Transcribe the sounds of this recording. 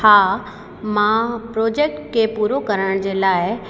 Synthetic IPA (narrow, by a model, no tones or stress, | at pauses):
haː | mãpɾoːd͡ʑeːk̚ʈkʰepuːɾokɐɾəɽ̃d͡ʑeːlaːɪ